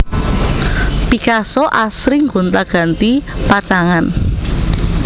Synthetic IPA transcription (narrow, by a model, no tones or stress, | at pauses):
pikasɔʔasɾiŋɡont̪aɡ̥a̤nt̪ipat͡ʃaŋan